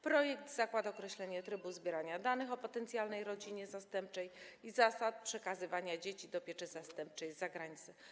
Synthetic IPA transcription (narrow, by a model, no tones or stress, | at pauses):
pɾɔjɛkd̪zakwad̪ɔkɾɛɕlɛɲɛt̪ɾɘbuzbʲjɛɾaɲad̪anɘxɔpɔt̪ɛnt̪sʲjalnɛjɾɔd͡ʑiɲɛzast̪ɛmp̚t͡ʂɛjizasat̪̚pʂɛkazɘvaɲad͡ʑet͡ɕid̪ɔpʲjɛt͡ʂɛzast̪ɛmp̚t͡ʂɛjzaɡɾaɲit̪sɛ